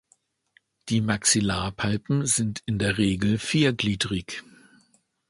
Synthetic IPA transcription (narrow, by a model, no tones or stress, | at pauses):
d̥iːmaksilaːpʰalpm̩zɪntʰɪndeːɐʁeːɡl̩fiːɐɡliːdʁɪç